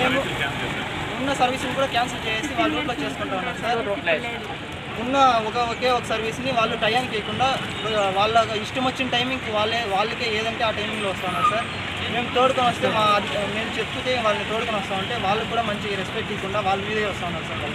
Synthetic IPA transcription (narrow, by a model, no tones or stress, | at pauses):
me̞ːmu | unːɐsɐɾʋiːsunikuːɽaːkjaːnsɐlt͡ʃeːjeːsiʋaːɭːɐɾuːʈloːt͡ʃe̞ːsu̥kuɳʈaːunːaːɾusaːɾ | unːɐɔkɐoːkeːɔkɐsɐɾʋisniʋaːɭːuʈɐjaːnkeːkuɳɖaː | ʋaːɭːɐiʂʈɐmɐt͡ʃːinɐʈɐjmiŋɡʋaːɭːeːʋaːɭːɐkeːeːd̪ɐɳʈeːaːʈɐjmiŋɡloːʋɐst̪aːunːaːɾusaːɾ | me̞ːmut̪o̞ːɽukoːnʋɐst̪e̞ːmaːme̞ːmut͡ʃe̞pːut̪e̞ːʋaːɭːɐnit̪oːɽukoːnʋɐst̪aːmɐɳʈe̞ːʋaːɭːɐkuːɽaːmɐɲt͡ʃiɾespekʈd̪iːkuɳɖaːʋaːɭːɐʋiːd̪ɐɡaːʋɐst̪aːunːaːɾusaːɾɾ